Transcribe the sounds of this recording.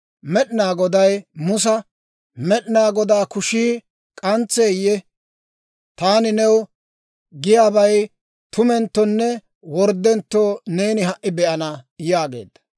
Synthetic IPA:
mɛɗnaːɡɔd̪ɐjmʊs̬ɐ | mɛɗnaːɡɔd̪aːkʊʃiː | kʼɐnt͡sːeːjːɛ | t̪aːnɪnɛw | ɡɪjaːbɐj | t̪ʊmɛnt̪ːɔnːɛ | wɔɾd̪ːɛnt̪ːoːne̞ːnɪɦɐʔːɪbɛʔɐnɐjaːɡe̞̰ːd̪ːɐ̥

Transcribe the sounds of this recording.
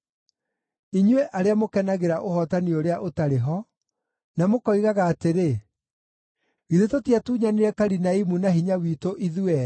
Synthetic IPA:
iɲwɛʔaɾeamokɛnaɣeɾaʔohɔtanioɾeaʔotaɾeɦɔ | namokɔiɣaɣaːteɾe | ɣiðetotiatuːɲaniɾɛkaɾinaimunaɦiɲawiːtoʔiðuɛ

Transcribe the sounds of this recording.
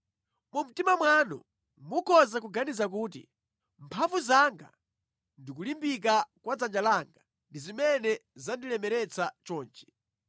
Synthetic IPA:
mum̩timamwanɔ̰ | mukɔzak̬uɡanizak̬uːt̬ḭ | mpʰaɱvuzaŋɡa̰ | ndik̬ulimbik̬akwad͡zand͡ʒalaŋɡa | ndizimɛnɛzandilɛmɛɾɛt͡sat͡ʃɔːnt͡ʃɛ̥

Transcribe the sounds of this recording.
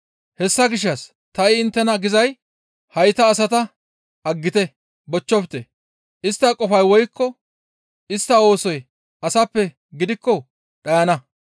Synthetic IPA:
hɛsːɐɡɪʃ̬ːɐs | t̪ɐɪɪnt̪ːɛnɐɡɪzɐj | hɐjt̪ɐːsɐt̪ɐ | ɐɡːɪt̪ɛ | bɔt͡ʃːɔpɪt̪ɛ | ʔɪst̪ːɐkʼɔfɐjwɔjkːɔ | ʔɪst̪ːɐo̞ːsɔj | ɐsɐpːɛ | ɡɪd̪ɪkːɔ | ɗɐjɐnɐ

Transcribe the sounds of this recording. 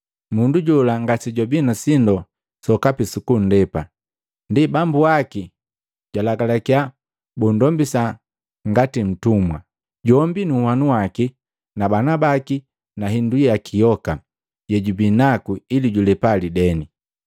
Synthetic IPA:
munduɟɔlaŋɡasiɟɔbinasindɔ | sɔkapisukun̩dɛpa | ndibambuaki | ɟ̥walaɡalakia | bundɔmbisa | ŋɡatim̩tumwa | ɟɔmbinuhanuwaki | nabanabaki | naɦindujjakʰijɔka | jɛɟubinakuiliɟulɛpalidɛni

